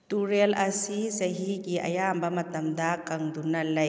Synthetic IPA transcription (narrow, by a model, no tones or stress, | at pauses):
t̪uɾelɐsisɐɦikiʔɐ̰jaːmbɐmɐt̪ɐmd̪akɐŋd̪unɐlːɐj